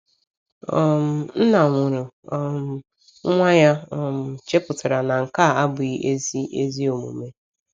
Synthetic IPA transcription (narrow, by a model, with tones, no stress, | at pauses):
ɔ˨m̩˨n̩˦na˨ŋʷʊ˨ɾʊ˨ | ɔ˨m˨˦ | ŋʷa˦ɲa˦ɔ˨m̩˨t͡ʃe˦pʊ˨ta˨ɾa˨na˨ŋ̩˨ka˦˨a˦bʊ˨i˦ʔe˦zi˦e˦zi˦o˨mṵ˨me˦